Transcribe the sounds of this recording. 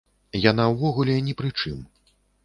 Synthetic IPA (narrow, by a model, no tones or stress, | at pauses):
janawvɔɣulʲɛnʲɛpɾɨt͡ʂɨ̰m